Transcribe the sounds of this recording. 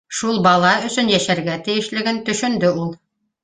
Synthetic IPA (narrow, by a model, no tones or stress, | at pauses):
ʃulˠbɑlˠɑɵ̆sɵnjæʃæɾɡæt̪ɘ̆jɘ̆ʃlɘ̆ɡɘnt̪ɵ̆ʃɵ̆nd̪ɘulˠ